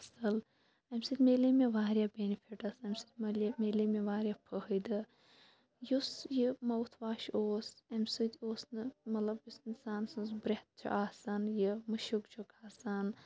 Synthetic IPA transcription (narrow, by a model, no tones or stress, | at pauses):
ɐsɨl | ɐmsɨt̪ʲmeːlimeʋaːɾʲjaːbenifʰiʈɐsɐmʲsɨd̪ʲmɐlmeːlimeʋaːɾʲjapʰəhɨd̪ɨ | jusjɨmɐwt̪ʰʋaːʃoːsɐmʲsɨd̪ʲoːsnɨmɐt̪lɐbjusinsaːnsɨnzbɾeht̪̚t͡ʃʰṵʔaːsanjɨmɨʃukt͡ʃʰukʰaːsan